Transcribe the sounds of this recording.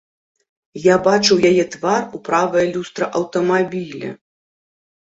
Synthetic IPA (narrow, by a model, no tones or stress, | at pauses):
jabat͡ʂɨwjajɛt̪varupɾavɐjɐlʲust̪ɾɐʔɐwt̪ɐmabʲilʲɛ̰